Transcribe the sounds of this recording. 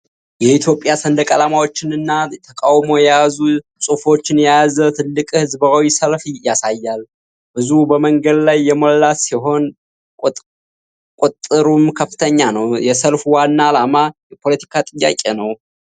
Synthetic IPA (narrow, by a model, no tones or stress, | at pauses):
jɛit̪ʰjo̞pʼjasənd̪əkʼəlamawot͡ʃːɪnɨnːat̪ʰəkʼawmo̞jɛjazu | sʼufo̞t͡ʃːɪnjɛjzət̪ʰɨlːɨkʼhɨzbawisəlfjasajːal | b̥ɨzuhbəməŋɡəd̪lajːɛməlːasiɦo̞nʼ | kʼut̪ʼːɨɾumkʰəfːɨt̪ʰəɲːanəwjɛsəlfwanːaːlamajɛpʰo̞lət̪ʰi̥kʰat̪ʼɨjːa̰kʼe̞nəw